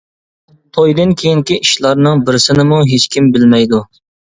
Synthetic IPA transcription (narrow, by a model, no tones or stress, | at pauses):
t̪ʰojd̪ɨnkʲʰejiŋkʲiiʃlˠɑɾnɨŋbɪɾɪsɪnɪmuɦet͡ʃkʲimbɪlmɛjd̪u